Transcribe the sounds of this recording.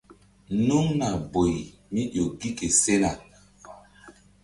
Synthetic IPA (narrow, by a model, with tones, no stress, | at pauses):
nu˦ŋna˨bo˨j | mi˦ɗo˨ɡi˦ke˨se˦na˨